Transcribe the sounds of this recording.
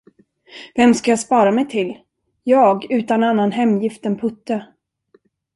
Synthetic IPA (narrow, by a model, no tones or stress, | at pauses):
vɛmskajaspɑːɾamɛjt̪ʰɪl | jɑːɡʉ̟ːt̪ananːanɦɛmːjɪft̪ənpʰɵt̪ːə